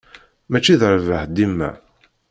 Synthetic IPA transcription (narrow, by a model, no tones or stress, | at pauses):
mæt͡ʃːiðəɾvəħd̪imːæ̰